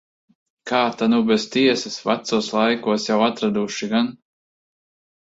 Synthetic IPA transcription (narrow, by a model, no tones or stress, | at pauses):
kaːt̪anubɛzt̪iɛsasvat̪suɔslˠajkuɔsjawat̪ɾad̪uʃiɡan